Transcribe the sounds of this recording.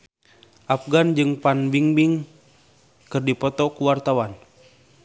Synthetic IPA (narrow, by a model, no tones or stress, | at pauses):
ʔafɡand͡ʒɨŋpanbiŋbiŋ | kɨrdipɔt̪ɔkuwart̪awan